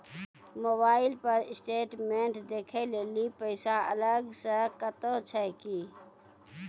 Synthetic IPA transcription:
moːbaːɪlpəɾɪsʈeːʈmẽːɳʈd̪eːkʰeleːlipəɪsaələɡsəkət̪ot͡ʃʰəkiː

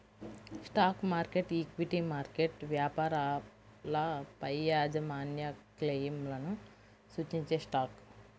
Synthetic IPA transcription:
sʈaːkmaːɾkeʈikʋiʈimaːɾkeʈʋjaːpaːɾa | lɐpɐjːaːd͡ʒɐmaːnjɐklejmlɐnu | suːt͡ʃiɲt͡ʃeːsʈaːk

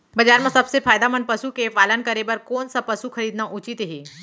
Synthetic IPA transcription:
bɐd͡ʒaːɾmãsɐbsefʰaːjd̪amɐnpɐsukepaːlənkɐɾebɐɾkoːnsapɐsuxʰɐɾiːd̪naʔʊt͡ʃit̪ɦeː

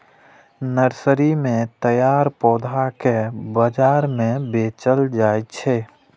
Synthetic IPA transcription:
nəɾsəɾimẽt̪əjaːɾpɔːd̪ʱakebəd͡ʒaːɾmẽbeːt͡ʃəld͡ʒaːet͡ʃʰɛː

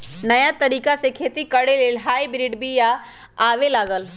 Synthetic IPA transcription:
nɐjat̪ɐɾiːkasẽkʰeːt̪ikɐɽeleːlɦaːibɾiːɖbija | aːʋelaːɡəl

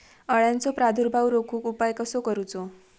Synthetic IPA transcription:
ʌɭjãnt͡sopɾad̪ʱuɾbʱawɾokʰukupajkəsokəɾut͡so

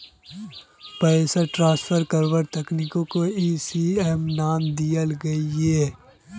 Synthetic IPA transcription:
pɐesəɾʈɾãːspʰəɾkɐɾwəɾt̪ɛknikõkoiːsiːɛmnaːmd̪ijəlɡɐiɦeː

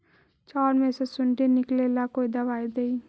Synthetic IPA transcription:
t͡ʃaːɾmẽsesʊɳɖenɪklelakoːid̪ɐbaːid̪eːi

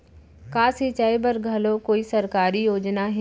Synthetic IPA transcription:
kaːsit͡ʃaːibɐɾɡʱɐlokoːisɐɾkaːɾijoːd͡ʒnaɦɪ

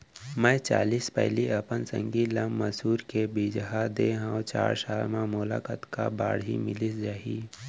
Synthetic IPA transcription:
mə̃t͡ʃa̰ːliːspɛ̰ɦliɐpənsə̰̃ŋɡiləmːəsuːɾkebiːd͡ʒɦad̪eːɦãwt͡ʃa̰ːɾsaːlmãmola̰ːkət̪kabaːɽɦḭmɪlisd͡ʒaːɦiː

